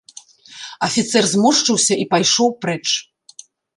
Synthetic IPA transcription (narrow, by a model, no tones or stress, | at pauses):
ɐfʲit̪sɛrzmuʂt͡ʂɨwsʲɐipajʂɔwpɾɛt͡ʂ